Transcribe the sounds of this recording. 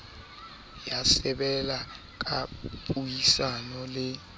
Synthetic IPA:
jasɛɓɛla | k̬aɓujisanɔlɛ

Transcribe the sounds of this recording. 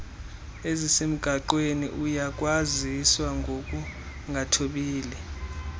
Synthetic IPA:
ezisem̩ɡ̥ʱaǃwenḭʔujak̬ʼwaziswaŋɡʱok̬ʼu | ŋʱatʰoɓiːlɛ

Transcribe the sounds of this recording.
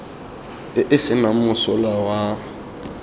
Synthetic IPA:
ɪsɪnamʊsɔlawa

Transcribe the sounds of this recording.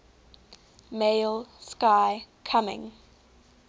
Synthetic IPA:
meɪlskaɪkʰamɪ̰̃ŋ

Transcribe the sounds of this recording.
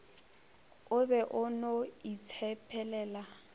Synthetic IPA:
ʊbɛʔʊnoit͡sʰɛpʰɛlɛːla

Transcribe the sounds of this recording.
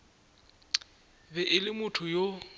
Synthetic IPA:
bɛʔɪlɪmʊtʰʊjo

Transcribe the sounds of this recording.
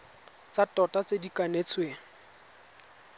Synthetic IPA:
t͡satɔtat͡sedikanet͡sʰwe

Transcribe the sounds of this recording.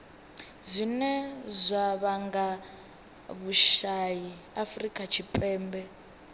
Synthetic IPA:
zʷinɛzʷaβaŋɡa | βuʃaji | afrikʼat͡ʃʰipʼɛːmbɛ

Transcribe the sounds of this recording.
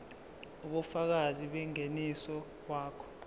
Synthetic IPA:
uɓufak̬aziɓɛŋenisɔ | waːkʰɔ̥

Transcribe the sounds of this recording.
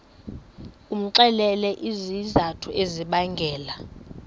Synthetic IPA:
um̩ǀɛlɛlɛʔizizatʰueziɓaŋɡʱɛːla

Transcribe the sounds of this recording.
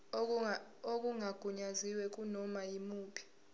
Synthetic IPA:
ok̬ʼuŋaɡ̥ʱuɲaziwɛk̬ʼunɔmajimuːpʰi̥

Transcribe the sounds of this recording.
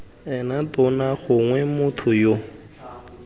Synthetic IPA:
ɛnatɔnaχʊŋwɛmʊtʰʊjo

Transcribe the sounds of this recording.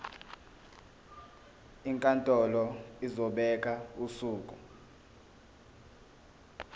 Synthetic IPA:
iŋkʼantʼɔlɔizɔɓɛk̬ʼausuːkʼu

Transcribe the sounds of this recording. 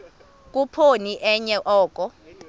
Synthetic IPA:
k̬ʼupʰoniʔɛɲɛʔɔːkʼɔ

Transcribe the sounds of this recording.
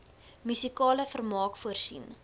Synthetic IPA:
mysikɑːləfərmɑːkfuərsḭn

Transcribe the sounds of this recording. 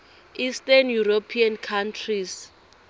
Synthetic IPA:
istanjuropʰiankʰantʰris

